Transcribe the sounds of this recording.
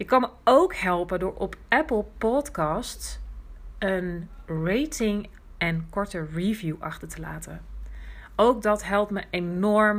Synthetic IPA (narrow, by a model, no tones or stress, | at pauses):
jɪkːɑnməowkɦɛlˠpədʊːɹɔpɛpəl̩ˠpɔtkɑsts | ənrejtɪŋ | ɛnkɔɹtəɹivjuʔɑ̰χtəɹtəla̰ːtən | owk̚dɑtɦɛlˠp̚tməʔenɔɹm